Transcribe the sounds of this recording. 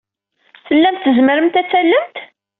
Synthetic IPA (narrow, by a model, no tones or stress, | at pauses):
θəlːæmt̪ːəzməɾəmt̪æt͡sːælːəmt̪